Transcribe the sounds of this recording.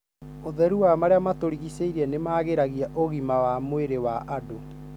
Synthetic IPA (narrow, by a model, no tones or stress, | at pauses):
oðɛɾuwamaɾeamatoɾiɣiseiɾɛnemaɣeɾaɣiaʔoɣimawamoeɾewaʔado